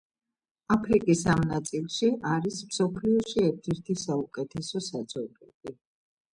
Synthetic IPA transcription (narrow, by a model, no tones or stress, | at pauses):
apʰɾikʼisamnat̪sʼilˠʃiʔaɾismsɔpʰliɔʃiɛɾt̪ʰɛɾt̪ʰisaukʼɛt̪ʰɛsɔsad̪z̥ɔbʼɛ̰bi